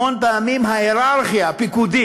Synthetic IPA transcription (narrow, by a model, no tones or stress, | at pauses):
ont̪amimɦaeɾaɾxijapikud̪i